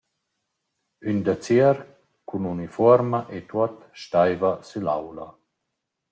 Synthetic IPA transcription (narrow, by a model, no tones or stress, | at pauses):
ynd̪at͡siəɾ | kʰununifɔɾmaʔet̪uɔt | ʃtajvasyla̰wla